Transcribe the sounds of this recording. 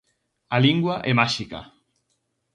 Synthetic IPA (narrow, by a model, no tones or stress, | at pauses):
aliŋɡwaʔemaʃika̰